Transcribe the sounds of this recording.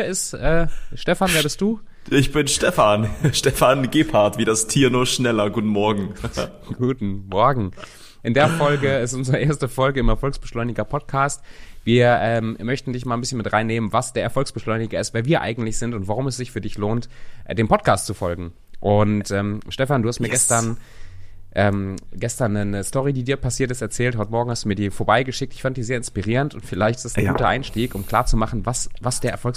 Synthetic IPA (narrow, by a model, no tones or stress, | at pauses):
iɐɪstʔɛːʃtɛfanveːɐbɪstd̥uː | ʔɪçb̥ɪnʃtɛfanʃtɛfanɡeːpʰaɐtv̥iːdastʰiːɐnuːɐʃnɛlɐɡuːtn̩mɔɐɡŋ̩ | ɡ̥uːtn̩mɔɐɡŋ̩ | ʔɪndeːɐfɔlɡəɪstʔʊnzəʁəʔeːɐstəfɔlɡəɪmɛɐfɔlksb̥əʃlɔʏnɪɡɐpʰɔt̚kʰaːstviːɐʔɛːmmœçtn̩dɪçmalːnbɪsçənmɪtʁaɪnːeːmənvasd̥eːɐɛɐfɔlksb̥əʃlɔʏnɪɡɐɪstveːɐviːɐʔa̰ɪɡŋ̩tlɪçz̥ɪntʊntv̥aʁʊmɛsz̥ɪçfyːɐdɪçloːntdeːnpʰɔt̚kʰaːstt͡sufɔlɡŋ̩ | ʔʊntʔɛːmʃtɛfanduːhastmiːɐɡɛstɐn | ʔɛːmɡ̥ɛstɐnːənəstɔʁidiːdiːɐpʰasiːɐt̬ɪstɛɐt͡sɛːltɦɔʏtəmɔɐɡŋ̩hastd̥uːmiːɐdiːfoɐbaɪɡəʃɪk̚tɪ̥çfandəd̥iːzeːɐɪnspiʁ̞iːʁəntʊntfɪlaɪçtɪstasɡuːtɐʔa̰ɪnʃtiːkʊmkʰl̥aːɐt͡sumaχn̩vasvasd̥eːɐɛɐfɔlks